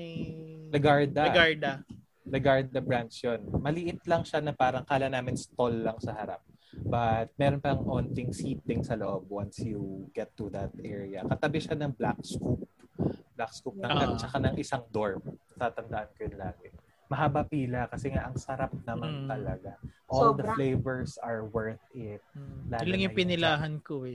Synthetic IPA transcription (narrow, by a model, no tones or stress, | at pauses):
nɐɡaɹd̪ɐɡaɹd̪ | nɐɡaɹd̪̚d̪ɐbɹant͡ʃjonmɐlɪʔɪt̪lɐŋʃanɐpaːɾɐŋkaːlɐnaːmɪnst̪olːɐŋsɐhɐɾa̰p̚ | bɐt̪̚mɛːɾo̞npɐɐŋʔo̞nt̪ɪŋsiːt̪̚d̪ɪŋsɐloʔob̚wansjuɡɛt̪ːuðɐt̪̚ʔɛɹiɐkɐt̪ɐbɪʃanɐŋblak̚skup̚blakskup̚nɐɐt͡ʃɐkanɐŋʔɪsaŋd̪oɹmɐt̪aːt̪ɐnd̪ɐʔankɐjʊnlaːɡɪ | mɐɦabɐpiːlɐkɐsɛŋaʔɐŋsɐɾap̚nɐmant̪ɐlɐɡaʔold̪ɐflejvɛɹsɐɹwɛɹθɪt̪̚laːɡlɐŋjʊpɪnɪlaːɦɐnkoɛ